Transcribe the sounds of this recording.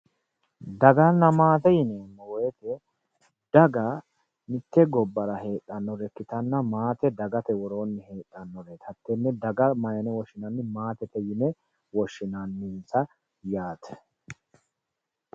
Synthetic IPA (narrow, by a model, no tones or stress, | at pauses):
d̪ɐɡɐnːɐmaːt̪ɛjɪneːnːɛwɔjɛt̪ɛ | d̪̥ɐɡɐ | nɪt̪ːɛɡɔbːɐɾɐheːtʼːɐnːɔɾɛkːɪt̪ɐnːɐmaːt̪ɛd̪ɐɡɐt̪ɛwɔɾoːnːɪhe̞ːᶑʼɐnːɔɾet̪ʰɐt̪ːɛnːɛd̪ɐɡɐmɐjɐnɛwɔʃɪnɐnːɪmaːt̪ɛt̪ɛjɪnɛ | wɔʃːɪnɐnːɪsɐ | jaːt̪ʰɛ̥